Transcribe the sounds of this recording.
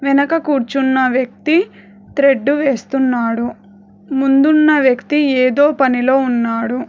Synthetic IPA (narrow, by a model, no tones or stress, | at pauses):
ʋɛnɐkɐkuːɾt͡ʃunːɐʋjɐk̚t̪i | t̪ɾe̞ɖːuʋe̞ːst̪unːaːɽu | mund̪unːɐʋjɐkt̪ieːd̪o̞ːpɐnilo̞ːunːaːɽu